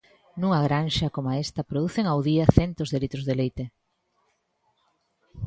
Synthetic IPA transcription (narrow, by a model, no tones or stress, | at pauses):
nuŋaɣɾanʃɐkomoaest̪ɐpɾoðuθeŋawðiɐθɛnt̪ozðelit̪ɾozðelejt̪e